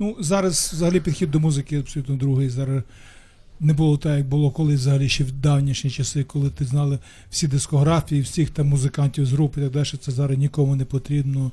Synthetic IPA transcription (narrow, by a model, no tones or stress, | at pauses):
nuzɑɾɐz̥ʋzɐɦɐlʲipʲid̪xʲid̪̚ːɔmuzɪkɪɐbsɔlʲut̪nɔd̪ɾuɦɪjzɑɾɐ | nɛbʊlˠɔt̪ɛjɐɡ̚bʊlˠɔkɔlˠɪʋzɐɦɐlʲiʃt͡ʃɛwd̪ɑwnʲiʃnʲit͡ʃɐsɪkɔlˠɪt̪ɪznɑlˠɪ | wsʲid̪ɪskɔɦɾɑfʲijiwsʲixt̪ɐmʊzɪkɑnʲtʲiwzɦɾupit̪ɐɡ̚d̪ɑlʲʃɛt̪sɛzɑɾɐznʲikɔmʊnɛpɔt̪ɾʲibnɔ